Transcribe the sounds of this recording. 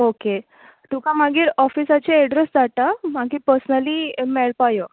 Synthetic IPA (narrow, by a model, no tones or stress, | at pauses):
oke | t̪ukʰãm̤aɡiːɾɔfisat͡ɕeɛɖɾesd͡zat̪am̤aɡiːpəɾsnəlimɛɭpajə